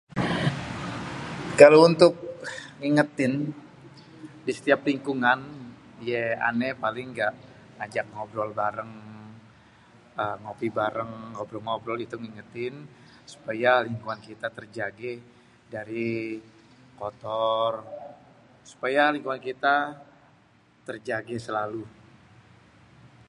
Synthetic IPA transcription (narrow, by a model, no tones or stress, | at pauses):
kalount̪ʊk̚ŋiŋət̪ɪn | disə̥t̪iapliŋkuŋan | jɛa̰nɛpalɪŋɡaʔ | ŋad͡ʒak̚ŋɔbɾɔlbaɾəŋ | əŋopibaɾəŋːɔbɾɔlŋɔbɾɔlit̪uŋiŋət̪ɪn | su̥pajaliŋkuŋankit̪at̪ərd͡ʒaɡɛ | daɾi | kɔt̪ɔr | su̥pajaliŋkuŋankit̪a | t̪ərd͡ʒaɡɛsəlalu